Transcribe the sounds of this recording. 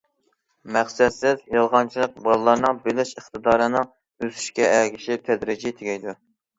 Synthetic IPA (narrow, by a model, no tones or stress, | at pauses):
mæχsɛd̪sɪzjɑlˠʁɑnt͡ʃʰilˠəq̚bɑlˠɨlˠɑɾnɨŋbelɪʃəχt̪ɨd̪ɑːɾɨnɨ | øsy̥ʃkʲɛɛɡʲiʃɪt̪ʰɛd̪ɾɪd͡ʒit̪ʰɪɡʲɛjd̪u